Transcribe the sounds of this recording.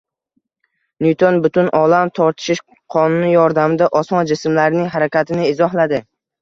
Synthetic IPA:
nujt̪ʰonbʊt̪ʰʊnɒlamt̪ʰɒɾt̪ʰɪ̥ʃɪʃ | qʰɒnʊnɪjɒɾd̪amɪd̪aʔɒsmɒnd͡ʒɪsmlaɾɪnɪŋɦaɾakʲat̪ʰɪnɪɪzɒɦlad̪ɪ

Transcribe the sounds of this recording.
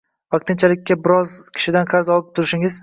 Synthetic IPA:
vaq̚t̪ʰɪnt͡ʃʰalɪkʲːabɪɾɒzkʲʰɪ̥ʃɪd̪anqʰɑɾzɒlɪp̚t̪ʰʊɾɪʃɪŋɪz

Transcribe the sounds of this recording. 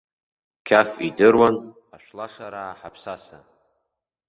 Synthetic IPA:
kʲʰafidɨrwan | aʃʷlaʂaɾaːħapʰsasa

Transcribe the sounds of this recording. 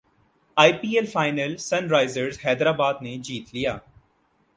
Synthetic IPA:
aːipiːelfaːɪnəlsɐnɾaːɪzəɾzɦɛːd̪ɾaːbaːd̪ned͡ʒiːt̪lijaː

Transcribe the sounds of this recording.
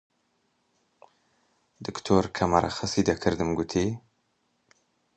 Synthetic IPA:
d̪ɨkt̪ʰoːɾkʰɐmɐɾɐ̰xɨsiːd̪ɐkʰɨɾd̪ɨmɡut̪ʰiː

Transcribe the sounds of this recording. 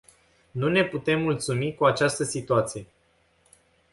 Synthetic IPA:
nune̞put̪e̞mːult̪sumikuat͡ʃast̪əsit̪uat̪sije̞

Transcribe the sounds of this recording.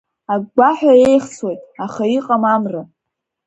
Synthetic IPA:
aɡɡʷaħᶣae̞jχswejtʼaχaiqʼamamra

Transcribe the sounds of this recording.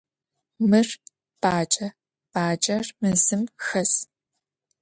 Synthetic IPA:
mɨr | pʼaːt͡ʃʼɐ | pʼaːt͡ʃʼɐrmɨzɨmxɐs

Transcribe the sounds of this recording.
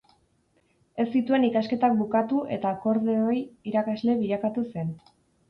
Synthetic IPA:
e̞st̪it̪ue̞nikaske̞t̪ak̚bukat̪uʔe̞t̪ako̞ɾðeojiɾakazle̞βiʎakat̪use̞n

